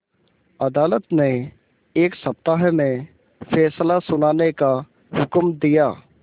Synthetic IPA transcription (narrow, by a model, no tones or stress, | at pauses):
ɐd̪aːlət̪ne | eːksəp̚t̪aːɦmẽ | fʰɛːslasʊnaːneka | ɦʊkmd̪ijaː